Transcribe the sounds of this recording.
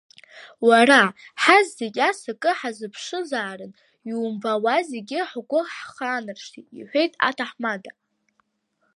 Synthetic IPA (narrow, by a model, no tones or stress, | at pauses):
waɾaħazːekʲʼasakʼɨħazɨpʰʂɨzaːɾɨn | iumvawazeɡʲɪħɡʷʊħχaːnɨrʂtʰiiħʷe̞jtʼa̰tʰaħmada